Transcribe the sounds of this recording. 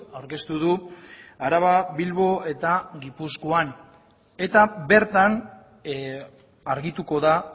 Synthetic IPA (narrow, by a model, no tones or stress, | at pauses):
awɾke̞st̪uðuaɾaβaβilβo̞e̞t̪aɡipuskoan | e̞t̪abe̞ɾt̪an | aɾɣit̪uko̞ða